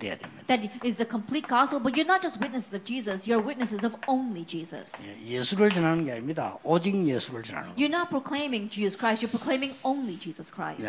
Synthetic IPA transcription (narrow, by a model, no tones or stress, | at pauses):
d̪ḛa̰d̪ḛmɛðɨtɪzðəkʰə̃mpʰl̥it̚ɡ̥ɔspl̩ˠbʌtjə˞nət̚d̥d͡ʒ̥ʌst̚wɪtⁿnɨsɪzʌvd͡ʒizəsjɔ˞wɪt̚ⁿnɨsɨzʌvõʊ̃nlid͡ʒizə̰sa̰jesuɾəld͡ʒənãnɡamit̪a̰ɔd͡ʒiŋjesuɾəld͡ʒəna̰ɽ̰̃jə˞nət̚pʰɹokʰl̥ẽɪ̃mɪ̃ŋd͡ʒizəskɹaɪstjə˞pʰɹokʰlẽɪ̃mɪ̃ŋõʊ̃nlid͡ʒizəskʰɹ̥a̰ɪs